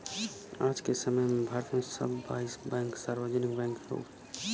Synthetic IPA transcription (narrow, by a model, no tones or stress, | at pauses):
aːd͡ʒkesəməjmẽbʱaːɾt̪mẽsə̰bːa̰ːɪsbɛ̃ːŋksaːɾʋəd͡ʒənɪk̚bɛ̃ːŋkɾo̰ː